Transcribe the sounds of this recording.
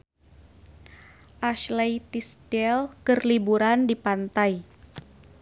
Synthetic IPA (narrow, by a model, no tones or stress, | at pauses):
ʔaʃlajt̪isd̥ɛlkərlibuɾandipant̪aj